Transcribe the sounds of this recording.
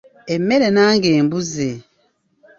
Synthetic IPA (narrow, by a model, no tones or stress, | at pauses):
emːeɾenaːŋɡeːmbuze